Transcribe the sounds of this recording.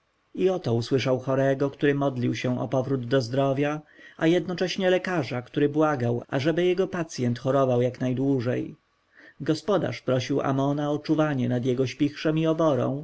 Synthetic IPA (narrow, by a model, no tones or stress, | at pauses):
iɔt̪ɔuswɘʂawxɔɾɛɡɔkt̪uɾɘmɔd̪lʲiwɕɛ̃ɔ̰pɔvɾud̪ːɔzd̪ɾɔvʲjaajɛd̪nɔt͡ʂɛɕɲɛlɛkaʐakt̪uɾɘbwaɡawʔa̰ʐɛbɘjɛɡɔpat̪sʲjɛnt̪xɔɾɔvawjaknajd̪wuʐɛj | ɡɔspɔd̪a̰ʂpɾɔɕiwa̰mɔnaɔt͡ʂuvaɲɛnad̪jɛɡɔɕpʲixʂɛmiɔbɔɾɔ̰̃w̃